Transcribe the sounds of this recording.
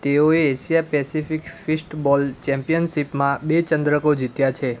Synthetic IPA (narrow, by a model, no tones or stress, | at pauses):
t̪eoeːʃijapɛsifikfisʈbɔlt͡ʃɛ̃mpijənsipmãbet͡ʃə̃nd̪ɾəkod͡ʒit̪jat͡ʃʰe